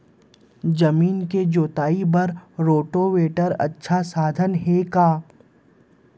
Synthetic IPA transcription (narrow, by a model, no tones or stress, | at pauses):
d͡ʒɐmiːnked͡ʒoːt̪aːibɐɾɾoːʈoʋeːʈəɾɐ̰tːʃʰasaːd̪ʱənɦekaː